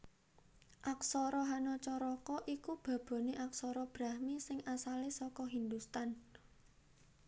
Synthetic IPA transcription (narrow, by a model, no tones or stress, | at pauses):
ʔaksɔɾɔɦanɔt͡ʃɔɾɔkɔʔikub̥ä̤b̥ɔ̤neʔaksɔɾɔb̥ɾa̤hmisɪŋasalesɔkɔɦind̪ust̪an